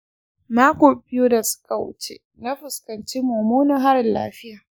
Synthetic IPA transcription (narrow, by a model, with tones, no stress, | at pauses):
maː˦kʷoː˨bɪ˦joː˦da˨sʊ̥˦kʼa˨wʊ̰˦t͡ʃḛ˦ | na˦ɸʊ˨skɐ˨nt͡ʃeː˦moː˨moː˦na˨ɦa˦ɾɪ˨nla̰ː˦ɸɪ˦jaː˨